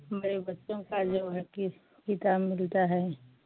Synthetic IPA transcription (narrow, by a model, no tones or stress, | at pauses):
hɐmaɾebɐtːʃõkad͡ʒoʋɦk | kit̪aːbmɪlt̪aɦɛː